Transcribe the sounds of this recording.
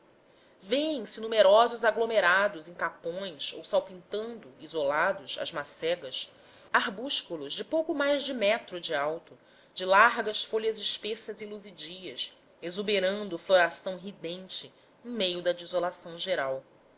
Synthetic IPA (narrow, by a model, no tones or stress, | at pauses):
veẽj̃sɪnumeɾɔzʊzaɡlomeɾad̪ʊzẽj̃kapõj̃so̰wsawpĩnt̪ɐ̃nd̪ʊizolad̪ʊʃɐ̰zmasɛɡɐs | aɦbuʃkulʊʒd͡ʒɪpowkʊmajzd͡ʒɪmɛt̪ɾʊd͡ʒɪawt̪ʊ | d͡ʒɪlaɾɡɐsfoʎɐzɪʃpesɐziluzid͡ʒiɐs | ezubeɾɐ̃nd̪ʊfloɾasɐ̃w̃ɦid̪ẽnt͡ʃɪ | ẽj̃mejʊd̪ɐd͡ʒizolasɐ̃w̃ʒeɾaw